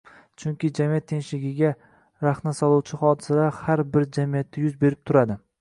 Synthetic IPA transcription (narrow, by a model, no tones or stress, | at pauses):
t͡ʃʰʊŋkʲɪd͡ʒamijat̪ːʰe̞nʲʃlɪɡʲɪɡʲa | ɾaχnasɒlˠuwt͡ʃʰɪχɒd̪ɪsad̪ahaɾbɪɾd͡ʒamijat̪ʰːajʊzbe̞ɾɪp̚t̪ʰʊɾad̪ɪ